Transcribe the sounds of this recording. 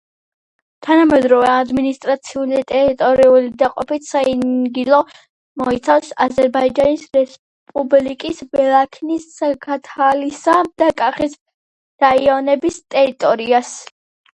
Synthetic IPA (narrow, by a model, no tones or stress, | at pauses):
t̪ʰanamɛd̪ɾɔvɛad̪minist̪ʼɾat̪sʰiulit̪ʼɛɾit̪ʼɔɾiulid̪aqʼɔpit̪saiɡilˠɔ | mɔit̪sʰafsazɛɾbaid͡ʒanisɾɛs | pʼublikʼisbɛlˠakʰnisakʰat̪ʰalisad̪̥akʼaχis | ɾaiɔnɛbist̪ʼɛɾit̪ʼɔɾias